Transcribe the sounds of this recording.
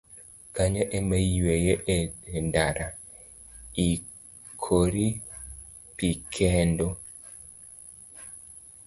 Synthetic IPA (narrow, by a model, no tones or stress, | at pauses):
kaɲaʔemajwejeʔendaɾa | i | kʰoɾi | pikʰɛndo